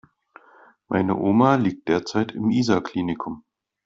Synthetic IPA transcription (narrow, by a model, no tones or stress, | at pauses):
mʔa̰ɪnə̰ʔoːmaliːk̚t̚d̥eːɐt͡saɪtʰɪmʔiːzakʰliːnɪkʰʊm